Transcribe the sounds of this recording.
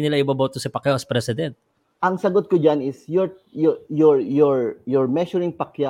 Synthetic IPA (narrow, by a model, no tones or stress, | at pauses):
nɪlaʔɪbabot̪osɪpɐkjoʔɐspɾɛsɪd̪ɛnt̪̚ | ʔɐŋsɐɡot̪̚kod͡ʒanɪsjɔɹ | jjɔɹjɔɹjɔɹmɛʃʊɹɪŋpɐkja